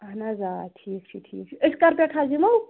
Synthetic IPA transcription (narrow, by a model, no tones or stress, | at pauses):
ɐɦnazaːʈʰiːk̚t͡ʃʰiʈʰḭːk̚t͡ʃʰiɪskɐɾpeʈʰazimow